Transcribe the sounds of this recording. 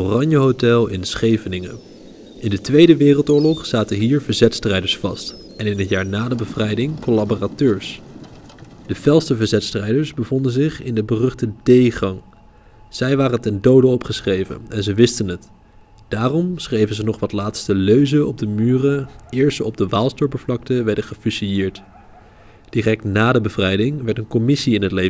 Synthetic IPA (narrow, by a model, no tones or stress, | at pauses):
orɑɲjəɦowtɛlˠɪ̰nsχejvənɪŋə̰ | ʔɪndətʋejdəʋɪːrəlˠtʊːɹlɔχsaːtəɦiːɹvəɹzɛtstrɛjdəɹsfɑ̰st | ʔɛnɪnɦətjaːɹnaːdəbəvrɛjdɪŋkolaboratøːɹs | d̥əvɛlˠstəvəɹzɛtstrɛjdəɹsbəvɔndənzɪχɪ̰ndəbərɵχtədejχɑŋ | z̥ɛjʋaːrəntɛndowdəɔpχəsχrejvə̰nɛnzəʋɪstənət | d̥aːrɔmsχrejvənzənɔχʋɑtlaːtstəløɥzəɔb̚dəmyːrəɪːɹstəɔb̚dəʋaːlˠstɔɹpəvlɑk̚təʋɛɹdəχəfysijɪːɹt | d̥irɛk̚tnaːdəbəvrɛjdɪŋʋɛɹtənkɔmɪsiɪnɦətle